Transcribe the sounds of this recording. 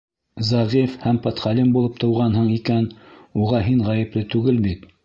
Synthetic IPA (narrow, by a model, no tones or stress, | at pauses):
zɑʁifhæmpɑt̪χɑlimbulˠɤp̚t̪ɤ̆wʁɑnɦɤɴikænuʁɑɦiɴʁɑjɘ̆plɘt̪ʉɡɘlbit̪